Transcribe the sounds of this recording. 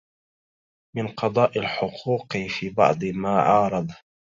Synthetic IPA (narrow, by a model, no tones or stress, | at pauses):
mɪnqɑd̪ˤɑːʔalħʊqʰuːqfiːbɑ̰ʕd̪ˤɨmaːʕɑːɾˤɑd̪ˤ